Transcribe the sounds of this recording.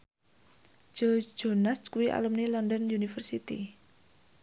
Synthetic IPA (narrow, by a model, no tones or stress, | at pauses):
d͡ʒ̥ɔ̥d͡ʒ̥o̤naskuwiʔa̰lumnilɔnd̪ɔnjunifərsit̪ḭ